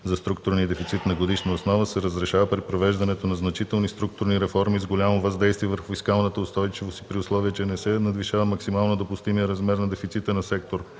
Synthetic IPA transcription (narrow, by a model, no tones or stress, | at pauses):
zɐst̪ɾuk̚t̪ʊɾnid̪ɛfit̪sit̪nɐɡod̪iʃnəosnɔvəsɛɾəzɾɛʃavəpɾipɾovɛʒd̪ɐnɛt̪onɐznɐt͡ʃit̪ɛlˠnist̪ɾuk̚t̪ʊɾniɾɛfɔɾmizɡolʲamovɐzd̪ɛjst̪viɛvəɾxʊfiskalˠnət̪əʊst̪ɔjt͡ʃivosipɾiʊslˠɔviət͡ʃɛnɛsɛnɐd̪viʃavəmɐksimalˠnod̪opʊst̪imijəɾɐzmɛɾnɐd̪ɛfit̪sit̪ənɐsɛk̚t̪oɾ